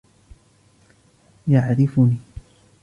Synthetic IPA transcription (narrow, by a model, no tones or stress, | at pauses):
jaʕɾɪfʊniː